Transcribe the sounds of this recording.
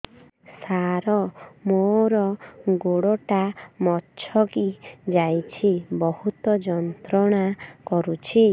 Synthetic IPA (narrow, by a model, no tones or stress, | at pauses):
saɾɔmoɾɔɡoɽɔʈamɔtːt͡ʃʰɔkid͡ʒajt͡ʃʰibɔhut̪ɔd͡ʒɔnt̪ɾɔɽ̃akɔɾut͡ʃʰi